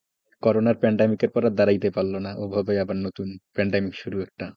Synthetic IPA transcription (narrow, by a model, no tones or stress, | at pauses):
kɔɾonaɾpɛɳɖemikeɾpɔɾad̪aɾajt̪epalːonaʔobʱabajabaɾnot̪unpɛɳɖemikʃuɾuɛk̚ʈa